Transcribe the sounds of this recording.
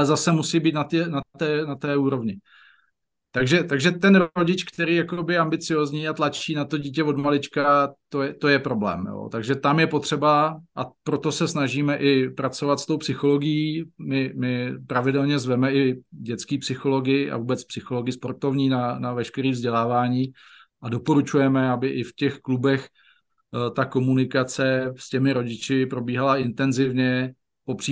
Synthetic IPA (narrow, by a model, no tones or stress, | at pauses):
alɛzasɛmusiːbiːt̪nat̪ɪnat̪ɛːnat̪ɛːuːɾo̞vɲɪ | t̪aɡʒɛt̪aɡʒɛt̪ɛnɾoɟɪt͡ʃkt̪ɛɾiːjakobɪambɪt͡sɪjoːzɲiːat̪lat͡ʃiːnat̪o̞ɟiːcɛvo̞dmalɪt͡ʃkat̪ojɛt̪o̞jɛpɾo̞blɛ̰ːmjo̰ːt̪aɡʒɛt̪amjɛpo̞t̪r̝̥ɛbaʔapɾo̞t̪o̞sɛsnaʒiːmɛʔɪpɾat͡so̞vat̪st̪o̞wpsɪxo̞lo̞ɡɪjiːmɪmɪpɾavɪdɛlɲɛzvɛmɛʔɪɟɛt̪t͡skiːpsɪxo̞lo̞ɡɪʔa̰vuːbɛt͡spsɪxo̞lo̞ɡɪɪspo̞ɾt̪o̞vɲiːnanavɛʃkɛɾiːvzɟɛlaːvaːɲiː | ʔado̞po̞ɾut͡ʃujɛmɛabɪʔɪfcɛxklubɛx | t̪ako̞munɪkat͡sɛscɛmɪɾo̞ɟɪt͡ʃɪpɾo̞biːɦalaɪnt̪ɛnzɪvɲɛ | po̞pr̥i